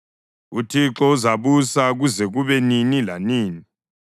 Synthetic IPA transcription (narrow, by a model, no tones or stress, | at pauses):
utʰiǁɔuzaβusaɣuzɛɣuβɛninilaniːni